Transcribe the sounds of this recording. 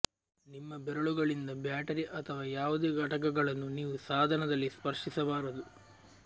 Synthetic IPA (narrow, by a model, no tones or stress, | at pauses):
nimːɐbɛɾɐɭuɡɐɭind̪ɐbjaːʈɐɾiʔɐt̪ʰɐʋaːjaːʋud̪eːɡɐʈɐk̬ɐɡɐɭɐnːuniːʋusaːd̪ʱɐnɐd̪ɐlːispɐɾʂisɐbaːɾɐd̪u